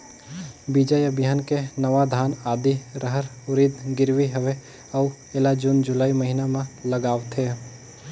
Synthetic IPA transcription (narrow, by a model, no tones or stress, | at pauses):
bid͡ʒəjəbʱɪjaːnkenəʋad̪ʱaːnaːd̪iɾəɦəɾ | ʊɾid̪ɡɪɾʋiɦəʋe | ɔʊ | eːlad͡ʒʊnd͡ʒʊlaːiməɦinamẽləɡaːʋt̪ɦeː